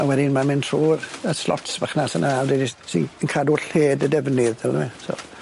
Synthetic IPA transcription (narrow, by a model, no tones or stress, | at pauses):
awɛdɪnmamɪntʰruːrəslɔ̰tsbaχnasənʔalˠdedisḭnənkʰaːduɬheːdədɛvnɪðɛlˠəmɛsɔ̰